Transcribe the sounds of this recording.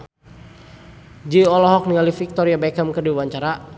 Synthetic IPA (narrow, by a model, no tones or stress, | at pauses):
d͡ʒiɔlɔɦɔk̚niŋalifik̚t̪ɔɾiabɛkəmkərdiwaɲt͡ʃaɾa